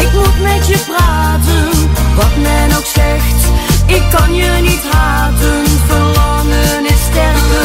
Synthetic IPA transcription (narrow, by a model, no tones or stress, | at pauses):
ɪkmufmɛtjəpraːtənʋɑtmɛnoxsɛxtɪkːɑnjənitɦaːvənfəlɑnənɪstɛrvə